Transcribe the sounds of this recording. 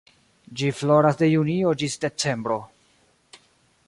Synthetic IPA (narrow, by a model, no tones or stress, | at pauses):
d͡ʒiflo̞ɾasde̞junio̞d͡ʒisde̞t͡se̞mbɾo̞